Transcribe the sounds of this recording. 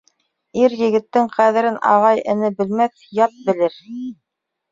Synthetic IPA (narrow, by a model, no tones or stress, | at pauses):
iɾjɘ̆ɡɘ̆t̪ːɘŋqæðɘ̆ɾɘnʔɑ̰ʁɑjɘ̆nɘbɘ̆lmæθ | jɑt̪̚bɘ̆lɘɾ